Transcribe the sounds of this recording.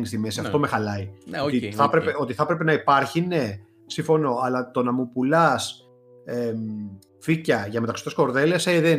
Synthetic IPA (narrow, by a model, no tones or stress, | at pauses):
nist̪ime̞siɐft̪o̞me̞xɐlɐiot̪iθɐpɾepeo̞t̪iθɐpɾepe̞nɐipɐɾçine̞ | siɱfo̞no̞ɐlɐt̪o̞nɐmupulɐs | em | ficɐʝɐme̞t̪ɐksot̪eko̞ɾðe̞leseðe